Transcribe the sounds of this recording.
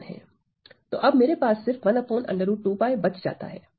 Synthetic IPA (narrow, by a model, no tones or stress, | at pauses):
nɦɛ̰ː | t̪o̰ːʔɐbmeːɾepaːsːɪɾfʋɐnɐpoːnʔɐ̰̃ɳɖəɾũʈuːpaːebɐt͡ʃd͡ʒa̰ːt̪a̰ɦɛ̰ː